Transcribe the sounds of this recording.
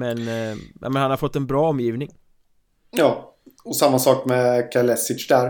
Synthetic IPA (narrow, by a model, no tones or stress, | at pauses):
mɛnɛ̰mɛnhanhaɾfɔt̪ːɛnbɾɑːɔmːjiːvnɪŋ | jɑːɔsamːasɑːkmɛkʰalɛsɪt͡ʃd̪æɾ